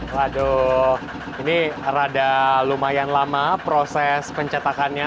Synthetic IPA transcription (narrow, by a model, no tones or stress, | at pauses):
wadoh | iniradalumajanlamapɾosɛspəɲt͡ʃat̪akanɲa